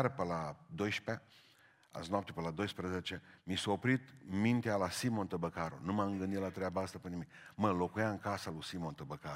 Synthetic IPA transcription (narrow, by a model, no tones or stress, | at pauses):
ɾəpəlad̪o̞jʃpe | a̰znoap̚t̪epəlad̪o̞jspɾəzet͡ʃemisoopɾit̪mint̪ealasimo̞nt̪əbəkaɾṵnumamɨŋɡɨnd̪it̪lat̪ɾeabaast̪apenimikməlo̞kujaɨŋkasalusimo̞nt̪əbəka